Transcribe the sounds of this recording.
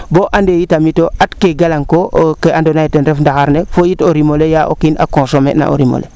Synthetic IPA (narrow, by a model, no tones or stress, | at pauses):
boʔandejitamitoʔatkeɡalaŋkokeandonaitenɾefndaxaɾnefojitoɾimolejaʔo̰kinʔa̰kõsomḛna̰ʔo̰ɾimo̰lʔḛ